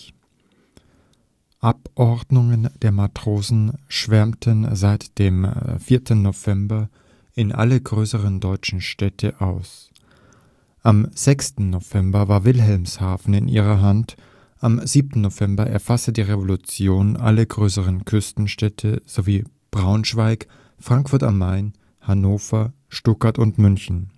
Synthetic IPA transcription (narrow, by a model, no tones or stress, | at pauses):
ʔapʔɔɐdnʊŋənd̥eːɐmatʁ̥oːzn̩ʃv̥ɛɐmtənzaɪtd̥eːmfiːɐtʰn̩ːov̥ɛmbɐ | ɪnʔa̰ləɡʁøːsəʁəndɔʏt͡ʃn̩ʃtɛtʰəʔaʊs | ʔamz̥ɛkstn̩ːov̥ɛmbɐvaːɐvɪlɦɛlmshaːfn̩ɪnʔḭːʁ̞ɐɦant | ʔamziːp̚tn̩novɛmbɐʔɛ̰ɐfasədiːʁevolut͡sjoːnʔa̰lɐɡʁøːsəʁənkʰʏstn̩ʃtɛtʰəz̥oviː | b̥ʁaʊnʃv̥aɪk | fʁ̥aŋkfʊɐta̰mːaɪn | hanoːfɐ | ʃtʊkaɐtʊntmʏnçn̩